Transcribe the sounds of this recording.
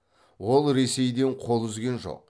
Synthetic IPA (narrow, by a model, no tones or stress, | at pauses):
wo̞lˠɾe̞se̞jd̪e̞ɴqʰo̞lˠʏzɡʲe̞nʒo̞̰q̚